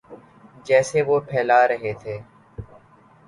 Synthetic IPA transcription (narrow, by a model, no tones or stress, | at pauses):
d͡ʒɛːseːʋoːpʰɛːlaːɾəɦeːt̪ʰeː